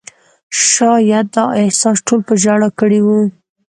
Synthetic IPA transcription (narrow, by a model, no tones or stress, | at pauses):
ʃɑjad̪əɪhsɑsʈʰolpəʒaɽakəɽiwu